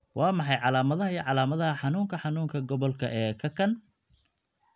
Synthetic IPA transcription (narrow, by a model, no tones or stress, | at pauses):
wʔɑːmɑħɑjʕɑlaːmɐðɐɦɐjʕɑlaːmɐðɐhɐħɑnuːŋkʰɐħɑnuːŋkʰɐɡɔβɔlkʰɐʔɛːkʰɐkʰɐn